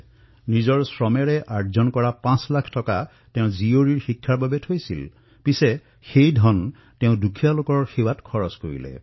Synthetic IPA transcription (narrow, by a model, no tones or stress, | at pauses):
nizɔɹsɹɔmɛɹɛʔaɹzɔnkɔɹapãslakʰtɔka | tẽʊ̃zioɹiɹxikʰːaɹbabɛtʰojsil | pisɛ | xejdʱɔn | tẽʊ̃dukʰijalokɔɹxewatkʰɔɹɔskoɹḭlɛ̰